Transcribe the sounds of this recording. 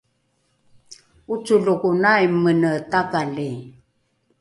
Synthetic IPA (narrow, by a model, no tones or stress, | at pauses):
ut͡suɮukunajmːənətakali